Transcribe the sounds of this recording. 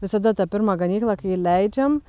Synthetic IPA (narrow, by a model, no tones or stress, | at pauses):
ʋʲɪsɐd̪ɐt̪ɑpʲɪɾmɑɡɐnʲiːklˠɑkɐilʲæɪd͡ʒʲɛm